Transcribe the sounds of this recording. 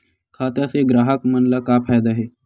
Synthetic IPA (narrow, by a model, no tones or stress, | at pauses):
kʰaːt̪jaseɡɾaːɦəkmənlakapʰaːjd̪aɦeː